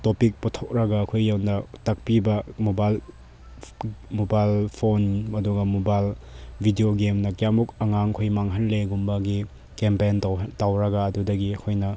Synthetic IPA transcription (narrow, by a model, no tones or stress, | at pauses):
topik̚putʰok̚ɾɐɡɐːkʰojːawnɐtɐk̚pibɐmobajl | mobajlpʰonɐduɡɐmobajlbʱidioɡemnɐkjamukɐŋaŋkʰojmaŋɦɐnleɡumbɐɡi | kempentawtawɾɐɡɐːdudɐɡiɐkʰojnɐ